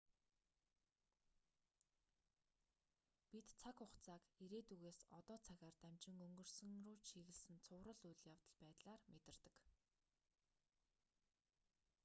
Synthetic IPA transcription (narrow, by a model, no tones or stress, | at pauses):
pit̪t͡sʰakʊχt͡sʰaːkiɾeːt̪uɣeːsɔt̪ɔːt͡sʰaɣaːrt̪æmʲt͡ɕɪ̆ŋɵŋɡɵ̆r̥sɵ̆ŋrʊːt͡ɕʃiɣɘ̆ɮsɘ̆nt͡sʰʊːɾə̆ɮujɮjawt̪ə̆ɮpæːt̪ɮaːrmet̪ɪ̆rt̪ə̆k